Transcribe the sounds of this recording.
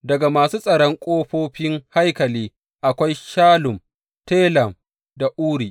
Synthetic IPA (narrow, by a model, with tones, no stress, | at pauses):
dɐ˨ɡa˨maː˨suː˦sʼɐ˨ɽɔ˦ŋkʷʼoː˦ɸoː˦ɸɪ˦ŋha˦jkɐ˨liː˦ | ʔa˨kʷa˦jʃaː˦lʊ˨m | teː˦lɐ˨m | da˨ʔuː˦ɽiː˨ʔ